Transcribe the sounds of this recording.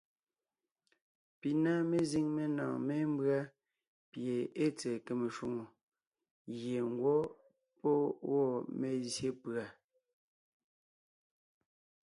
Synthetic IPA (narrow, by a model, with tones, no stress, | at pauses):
pi˨na˦me˦zi˦ŋme˦nã̰ː˨me˦m˦bɰa˦ | pje˨e˦t͡sɛː˨ke˨me˨ʃu˦˨ŋo˨ | ɣje˨ŋ̩˨˦ɡwɔ˦ | pɔ˦wɔ˦˨me˨zje˦pɰa˨